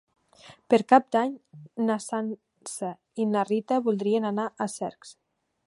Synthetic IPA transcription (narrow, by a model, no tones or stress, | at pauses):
pəɾkap̚d̪aɲnasan | sə | inarit̪əβulˠd̪ɾienanaʔəsɛ̰ɾks